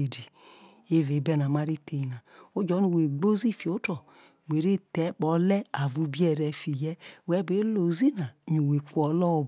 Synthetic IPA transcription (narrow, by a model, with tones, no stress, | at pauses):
e˨di˨ | e˦˨ve˨˦bɛ˦˨na˨ma˦ɾi˦te˨i˨na˨o˦d͡ʒɔ˨˦nu˨we˨ɡ͡bo˦zi˦˨fi˨o˨˦tɔ˨ | ɡ͡be˨ɾe˦˨tɛ˨˦k͡pɔ˨˦lɛ˦a˨vu˦bi˦ɛ˦˨ɾɛ˧fi˨jɛ˦wɛ˦be˨˦lo˨zi˦na˨ɲu˨we˨kʷɔ˨˦lɔ˦˨